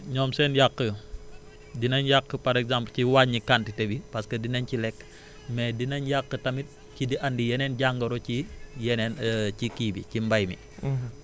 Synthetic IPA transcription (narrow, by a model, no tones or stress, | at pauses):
ɲɔːmsɛnjakːə | dinɐnjakːəpɐɾɛkzamplciwaɲːikantitɛbipɐskədinɐncilɛkː | mɛdinɐnjakːətɐmit̚ | cidiʔɐndijɛnɛnɟaŋɡɐɾocijɛnɛncikiːbḭcimbɐjmḭ